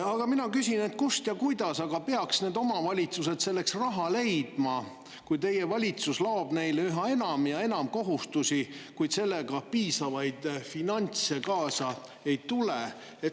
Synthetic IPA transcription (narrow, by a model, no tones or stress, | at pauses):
ɑɡ̥ɑminɑkysʲine̞t̪kust̪jɑkujd̪̥ɑsɑɡ̥ɑpeɑksne̞ːd̪o̞mɑvɑlʲit̪suse̞d̪se̞lːe̞ksrɑɦɑle̞jd̪̥mɑ | kujt̪e̞jːe̞vɑlʲit̪suslɑob̥ne̞jleyɦɑe̞nɑmjɑe̞nɑmko̞ɦust̪usʲikujd̪se̞lːe̞ɡ̥ɑpiːsɑvɑjd̪̥finɑnʲt̪se̞kɑːsɑ | e̞jt̪ule | et̪